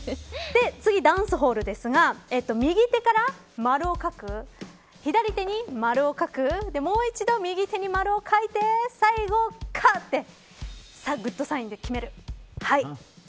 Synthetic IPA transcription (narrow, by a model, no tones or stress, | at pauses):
d̪e̞t͡sɨɡʲid̪ãɰ̃sɨɦo̞ːɾɯ̟d̪e̞sɨɡae̞t̪ːo̞mʲiɡʲit̪e̞kaɾa | maɾɯ̟okakɯ̟ | çid̪aɾʲit̪e̞ɲ̟imaɾɯ̟o̞kakɯ̟d̪e̞mo̞ːit͡ɕid̪o̞mʲiɡʲit̪e̞ɲ̟imaɾɯ̟okʰait̪e̞saiɡo̞kʰat̪ːe̞ | saɡɯ̟t̪ːo̞saĩnd̪e̞kʲime̞ɾɯ̟hai